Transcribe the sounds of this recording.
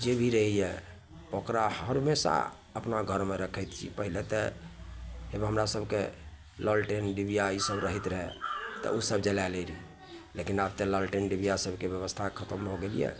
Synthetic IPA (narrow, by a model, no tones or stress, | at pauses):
d͡ʒebʱiɾəɦijɛ | pəkɾaɦəɾmesa̰ | əpnaɡʱəɾmeɾəkʰəjt̪t͡ʃʰḭpəɦilet̪ɛ | ebɦəmɾasəbʱke | ləlʈenɖibiaisəbɾəɦit̪ɾəɦɛt̪ə̰usəbd͡ʒəlaleɾi | lekinabt̪eləlʈenɖibijasəbʱkebjəβəst̪ʰakʰət̪əmɦoɡelijɛ̰